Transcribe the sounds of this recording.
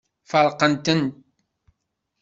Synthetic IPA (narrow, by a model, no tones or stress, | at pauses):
fəɾˤqənt̪ənt̪̚